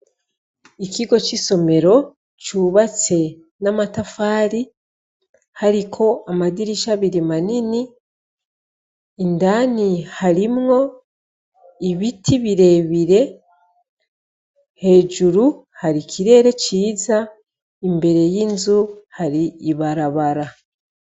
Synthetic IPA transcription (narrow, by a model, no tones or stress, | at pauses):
ikiɡo̞t͡ʃiso̞me̞ɾo̞ | t͡ʃuβat͡se̞ | namatafaːɾi | haɾikʰo̞amadiɾiʃaβiɾimanini | ndanihaɾimŋo̞ | iβitʰiβiɾe̞βiɾe̞ | he̞ːd͡ʒuɾu | haɾikʰiɾe̞ːɾe̞ciːza | imbe̞ɾe̞jiːnzuhaɾiːβaɾaβaɾa